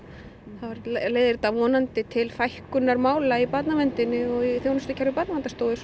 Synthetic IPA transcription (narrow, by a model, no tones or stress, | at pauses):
θavaɾleːjðɪɾt̪avɔːnant̪ɪt̪ʰɪlfajhkʏnːaɾmaːwlaipat̪namɛnt̪ɪnːɪɔɣiθjownʏst̪ʏcʰɛɾvɪpaːt̪namɛnt̪ast̪oːwðɪs